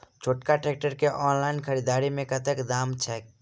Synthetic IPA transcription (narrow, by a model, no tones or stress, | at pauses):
t͡ʃʰoʈkaʈek̚ʈəɾkeʔɔnlaɪnkʰəɾid̪aɾimẽkət̪ekd̪amt͡ʃʰɛk